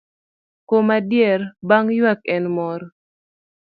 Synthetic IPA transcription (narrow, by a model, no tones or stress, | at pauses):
komadjɛrbaŋjwakɛnmɔɾ